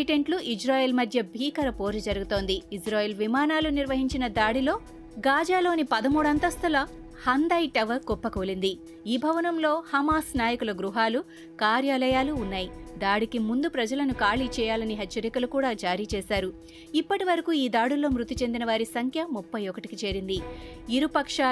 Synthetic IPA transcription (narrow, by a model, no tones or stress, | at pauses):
iʈeɳʈluʔid͡ʒɾaːjeːlmɐd̪ʱjɐbʱiːkɐɾɐpo̞ːɾɐd͡ʒɐɾuɡut̪o̞ːnd̪iːsɾaːjeːlʋimaːnaːluniɾʋɐɦiɲt͡ʃinɐd̪aːɽilo̞ː | ɡaːd͡ʒaːlo̞ːnipɐd̪ɐmuːɽɐnt̪ɐst̪ɐlɐ | hɐnd̪ɐjʈɐʋɐɡɔpːɐkolind̪i | iːbʱɐʋɐnɐmlo̞ːhɐmaːsnaːjɐkulɐɡɾuɦaːlu | kaːɾjaːlɐjaːluːnːaːjid̪aːɽikimund̪upɾɐd͡ʒɐlɐnukaːliːt͡ʃɛːjaːlɐniɦɐt͡ʃːt͡ʃːɐɾikɐlukuːɽaːd͡ʒaːɾiːt͡ʃɛːsaːɾu | ipːɐʈiʋɐɾɐkuiːd̪aːɽulːo̞ːmɾut̪it͡ʃe̞nd̪inɐʋaːɾisɐŋkʰjɐmupːɐjɔkɐʈikit͡ʃeːɾind̪iiɾupɐkʂa